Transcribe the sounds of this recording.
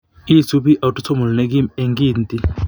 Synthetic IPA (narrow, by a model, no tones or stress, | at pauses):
isubiʔɐwʈut͡somulneɡimeŋɡiːnt̪i